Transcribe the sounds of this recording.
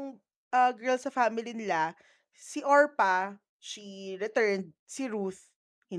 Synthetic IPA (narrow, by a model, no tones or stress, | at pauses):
ʊŋ | ɐɡɛ˞lsɐfaːmɪlinɪla | siʔoɹpa | ʃiɾɪt̪ɛɹnd̪̚siɾuθ | hɪ